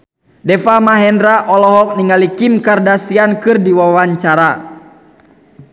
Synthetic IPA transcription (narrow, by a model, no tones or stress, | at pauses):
dɛfamaɦɛndɾaʔɔlɔɦɔk̚niŋalikimkardasiankɨrdiwawaɲt͡ʃaɾa